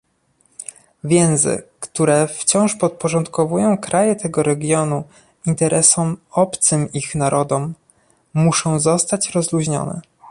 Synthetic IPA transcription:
vʲjɛ̃w̃zɘ̰kt̪uɾɛft͡ɕɔ̃w̃ʂpɔt̪̚pɔʐɔnt̪kɔvujɔ̃w̃kɾajɛt̪ɛɡɔɾɛɡʲjɔnu | int̪ɛɾʔɛsɔmɔpt̪sɘmixnaɾʔɔd̪ɔmː | uʂɔ̃w̃zɔst̪at͡ɕɾɔzluʑɲɔ̰nɛ̰

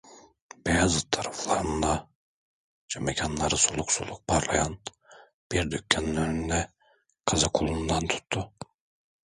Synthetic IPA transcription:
b̥ejazɯt̪ʰaɾaflˠaɾɯnd̪a | d͡ʒamecʰanlˠaɾɯsolˠuksulˠːuk̚pʰaɾlˠajan | b̥iɾd̪ycʰːæninøɾyynd̪ɛ | kʰazakʰulˠund̪ant̪ʰu̥t̪ʰːu

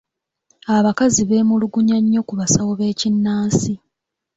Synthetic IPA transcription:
aβakaziβe̞ːmuluɡuɲaɲːo̞kuβasawoβe̞ːcinːaːnsi

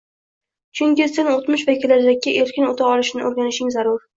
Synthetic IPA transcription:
t͡ʃʰʊŋkʲɪsɪnot̪mɪʃvakʲɪlːaɾd̪akʲɪʔe̞ɾkʲʰɪnot̪ʰaɒlˠɪʃnɪʔoɾɡʲanɪʃɪŋzaɾʊɾ

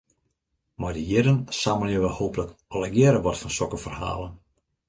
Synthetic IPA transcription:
mardəjɪɾənsaməljəʋəhoːpələkɔləɡjɪːɾəʋɔtfɔnsɔkəfərha̰ːlˠən

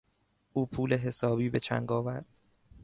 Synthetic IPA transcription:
ʔuːpʰuːle̞ɦe̞sɒːbiːbe̞t͡ʃʰæ̰ŋɡɒːvæɾd̪̥

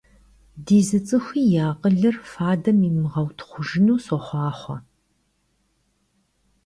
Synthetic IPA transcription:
diːzɨt͡sʼɨxʷiːjaːqʼəɮɨrfaːdɐmiːmɨʁɐwtʰχʷʊʒɪnuːsɔχʷɑːχʷɔ̰

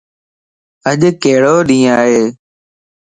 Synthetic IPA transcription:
əʄkeːɽoːɗĩːaːɦeː

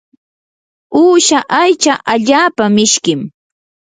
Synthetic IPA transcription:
uːʃaʔajt͡ʃaʔaʎaːpamɪʃkɪm

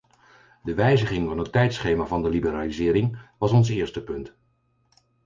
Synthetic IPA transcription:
dəʋɛjzəχɪŋvɑnətːɛjtsχejmaːvɑndəlibəɾaːlizɪːɾɪŋʋɑsɔnsɪːɹstəpɵnt

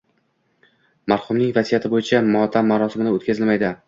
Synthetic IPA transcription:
maɾχʊmnɪŋvazijat̪ʰɪbojɪt͡ʃʰamɒt̪ʰamːaɾɒsɪmɪnaot̪kʲazɪlmajd̪ɪ

